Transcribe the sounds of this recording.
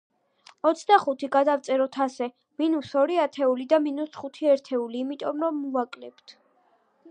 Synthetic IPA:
ɔt̪sʰd̪aχut̪ʰiɡad̪aft̪sʼɛɾɔt̪ʰasɛ | minusɔɾiat̪ʰɛulid̪aminusχut̪ʰiɛɾt̪ʰɛuliːmit̪ʼɔmɾɔmːuvakʼlɛpt̪ʰ

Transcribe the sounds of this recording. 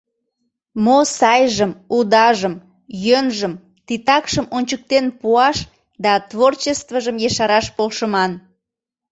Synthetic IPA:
mosɑjʒəmud̪ɑʒəm | jønʒəm | t̪it̪ɑkʃəmonʲt͡ɕək̚t̪enpuɑʃ | d̪ɑt̪vort͡ɕest̪vəʒəmjeʃɑɾɑʃpolʃəmɑn

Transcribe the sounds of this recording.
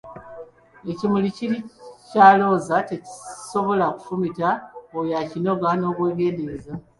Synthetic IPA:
e̞cimuliciɾicaːlo̞ːzate̞ci̥so̞βo̞laku̥fumitaojacino̞ɡano̞ːkwe̞ːɡe̞ːnde̞za

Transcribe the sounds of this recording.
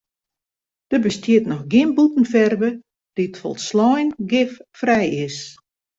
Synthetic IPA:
d̥əbəstjiətnɔxɡɪnbutn̩fɛrbə | d̥itfɔ̰lˠtslɔjnɡɪffrɛjɪs

